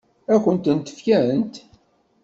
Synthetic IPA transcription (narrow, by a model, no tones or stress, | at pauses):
ækʷːənt̪ənt̪ə̥fkæənt̪